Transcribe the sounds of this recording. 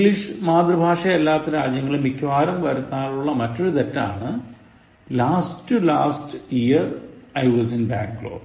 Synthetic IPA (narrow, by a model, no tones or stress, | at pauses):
iŋɡliʂɨmaːd̪rɐbʱaːʂɐelːaːt̪ːɐɾaːd͡ʑjɐŋːɐɭumːikʰːʋaːɾɐmʋɐɾunːaːɭuɭːɐmɐtːoɻut̪ɐtːa̰ːɳɨ | laːstɨlaːstijɐrɐjʋɐsinba̰ːŋklo̰ːɖ